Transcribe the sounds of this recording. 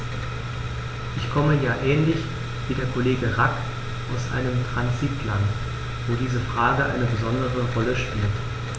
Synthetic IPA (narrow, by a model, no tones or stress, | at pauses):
ʔɪçkʰɔməjaːʔɛːnlɪç | v̥iːdeːɐkʰoleːɡəʁak | ʔaʊsʔa̰ɪnəmtʁ̥anzitʰlant | voːdiːzəfʁ̥aːɡəʔa̰ɪnəbəzɔndəʁəʁɔləʃpiːlt